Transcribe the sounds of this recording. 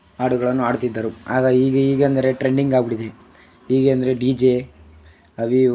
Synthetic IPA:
aːɽuɡɐɭɐnːuaːɽt̪id̪ːaːɾua̰ːɡaiːɡeiːɡeɐnd̪ɐɾe̞ʈɾeɳɖiŋɡaːɡbiɽid̪e | iːɡeɐnd̪ɐɾe̞ɖid͡ʒe | ɐʋi

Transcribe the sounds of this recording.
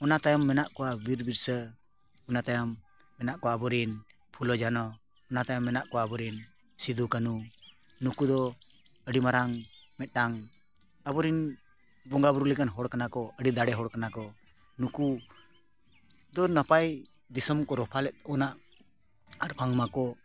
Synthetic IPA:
ɔnat̪ajɔmːɛnaʔkɔwabiɾbiɾsə | ɔnat̪ajɔmː | ɛnaʔkɔabɔɾin | pʰulɔd͡ʒanɔː | nat̪ajɔmːɛnaʔkɔabɔɾin | sid̪ukanu | nukud̪ɔəɽimaɾaŋmɛt̪̚ˀɖaŋ | abɔɾin | bɔŋɡabuɾulɛkanɦɔɽkanakɔəɖid̪aɽɛɦɔɽkanakɔ | nuku | d̪ɔnəpajd̪isəmkɔɾɔpʰalɛt̪̚ɔnaʔ | aɾpʰaŋmakɔ

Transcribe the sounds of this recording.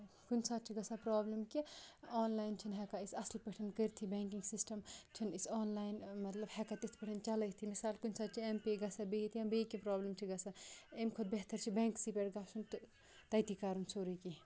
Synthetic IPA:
kunsaːt̪̚t͡ʃʰiɡɐsapɾaːblɐmkiɔːnlaːjnt͡ʃʰinɦɛkaisɐslpɐʈʰɐnkəɾt̪ʰibẽːŋkiŋɡsisʈɐmt͡ʃʰinisɔːnlaːjnmɐt̪lɐbhɛkat̪ist̪pɐʈʰɐnt͡ʃɐlɐt̪ʰimisaːlkunsat̪̚t͡ʃʰiempeɡɐsabeɦit̪ʰiɐmbekipɾaːblɐmt͡ʃʰiɡɐsaemkʰod̪̚beɦt̪ɐɾt͡ʃʰibeːŋksipeʈɡasʰunt̪ | t̪ɐt̪ikaɾunsʰoːɾiki

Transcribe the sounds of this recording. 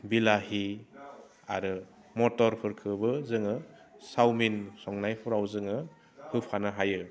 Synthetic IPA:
bilaɦi | a̰ɾɯ | mɔtɔɾpʰɯɾkʰɯbɯzɯŋɯ | sawminsɔŋnajpʰɔɾawzɯŋɯ | hɯpʰanaɦajɯ

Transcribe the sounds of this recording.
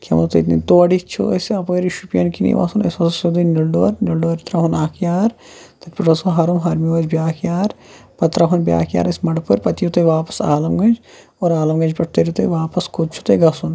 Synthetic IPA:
kʰʲḛmɐt̪ɐ̰t̪nḭt̪oːɐɖit͡ʃʰṵesɐpɐːɾiʃupjɐnkinḭʋa̰ːsunḛsɐsɐsod̪ɐnilɖo̰ːɾnilɖoːɾit̪ɾaːɦunaːkʰjaːɾ | t̪ɐt̪pɐʈɐsoɦaːɾumɦɐɾmiʋɐd͡ʒbʲjaːkjaːɾpɐt̪ɾaɦunbʲja̰ːkja̰ːɾɐsmɐɽpuɾpɐt̪ijut̪ojʋaːpɐ̥saːlɐmɡɐnd͡ʒ | oːɾaːlɐmɡɐnd͡ʒpɐʈ̚ʰt̪ɐɾit̪ejʋaːpɐskʰod̪̚t͡ʃʰu̥t̪ɐɡɐsun

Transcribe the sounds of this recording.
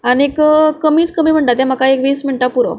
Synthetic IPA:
aniekkəmiːt͡skəmiːm̤əɳʈ̪at̪ɛ̃m̤akaekʋiːsminiʈapuɾo̰

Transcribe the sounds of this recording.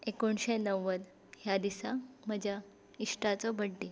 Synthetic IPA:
ekoɳɕenəʋːəd̪ | ɦjad̪isaməd͡ʑʱa | iʂʈat͡sɔbʱəɽːe

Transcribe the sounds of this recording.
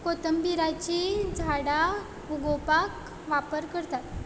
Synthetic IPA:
kot̪əmbiɾat͡ɕid͡zʱaɽa | uɡopak | ʋapəɾkəɾt̪at̪

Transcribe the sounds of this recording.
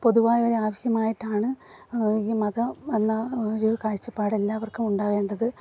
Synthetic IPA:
po̞ðuʋaːjoɾeaːʋɐɕjɐmaːjiʈːaːɳɨ | iːmɐðɐenːɐoɾukaːɾit͡ɕːɐpːaːɽelːaɐʋɐrkumuɳɖaːɣe̞ːɳɖɐðɨ

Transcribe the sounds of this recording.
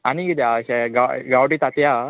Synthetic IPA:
aniɡid̪aɕaɡaɡawɽit̪at̪ja

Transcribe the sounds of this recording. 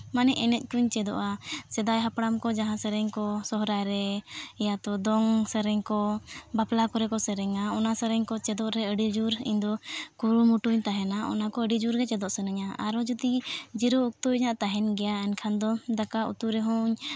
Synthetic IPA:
manɛʔɛnɛt̪̚ˀkuɲt͡ʃɛd̪ɔ̰ʔasɛd̪ajɦapɽamkɔd͡ʒaɦãsɛɾɛɲkɔsɔɦɾajɾɛɛjat̪ɔd̪ɔŋsəɾɛɲkɔbaplakɔɾɛkɔsɛɾɛŋaɔnasəɾɛɲkɔt͡ʃɛd̪ɔʔɾɛəɖid͡ʒuɾḭɲd̪ɔkuɾumuʈuɲt̪aɦɛnaɔ̰nakɔəɖid͡ʒuɾɡɛt͡ʃɛd̪ɔʔsənəɲaaɾɔd͡ʒut̪id͡ʒiɾɔuk̚t̪uɲaʔt̪aɦɛnɡɛjaɛnkʰand̪ɔd̪akaṵt̪uɾɛɦɔɲ

